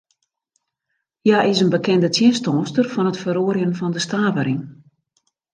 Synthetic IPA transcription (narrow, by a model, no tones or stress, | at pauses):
jaʔɪsənbəkʰɛndətʰjɪnstɔːstərfɔnətfəɾoəɾjənfɔndəstaːvəɾɪŋ